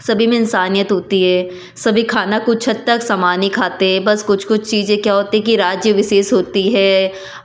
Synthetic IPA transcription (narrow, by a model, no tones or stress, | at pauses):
sɐbʱimẽɪnsaːnijət̪ɦoːt̪iɦɛː | sɐbʱikʰaːnakʊt͡ʃʰɐt̪ːɐksɐmaːnikʰaːt̪eɦɛ̃bɐskʊt͡ʃʰkʊt͡ʃʰt͡ʃiːzẽkjaːɦoːt̪iɦɛ̃k̬iɾaːd͡ʒjəʋɪʃeːʃɦoːt̪iɦɛː